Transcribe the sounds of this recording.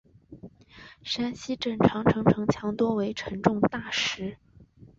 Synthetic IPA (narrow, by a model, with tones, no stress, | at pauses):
ʂa˥nɕi˥ʈ͡ʂə˨˩ŋʈ͡ʂʰɑ˧˥ŋʈ͡ʂʰɤ˧˥ŋʈ͡ʂʰɤ˧˥ŋt͡ɕʰjɑ˧˥ŋt̪wɔ˥we˧˥ɪʈ͡ʂʰɤə˧˥ŋʈ͡ʂʊ˥˧ŋt̪a˥˩ʂɻ̩˧˥